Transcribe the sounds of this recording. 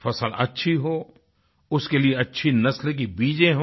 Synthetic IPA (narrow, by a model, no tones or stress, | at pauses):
fɐsəlɐ̰tːʃʰiɦoː | ʊskelieɐtːʃʰinɐslek̬ibiːd͡ʒẽɦo